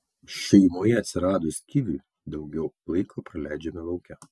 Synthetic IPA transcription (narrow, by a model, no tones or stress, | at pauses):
ʃʲɛɪmoːjɛɐt̪ʲsʲɪɾɑːd̪oːsʲkʲiʋʲuˑ | d̪ɐʊɡʲɛʊlˠɐɪkʰoːpɾɐlʲæˑɪd͡ʒʲɛmʲɪlˠɐʊkʲɛ